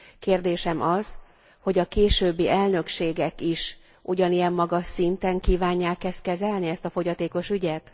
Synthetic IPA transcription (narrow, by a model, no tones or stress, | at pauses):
keːrd̪eːʃɛmɒz̥ | ho̞ɟɒkeːʃøːbːiʔɛlnø̞kʃeːɡɛkiʃ | ʔuɟɒnijɛmːɒɡɒʃːint̪ɛŋkiːvaːɲːaːkːɛst̪̚kɛzɛlniɛst̪ɒfo̞ɟɒt̪eːko̞ʃyɟɛt̪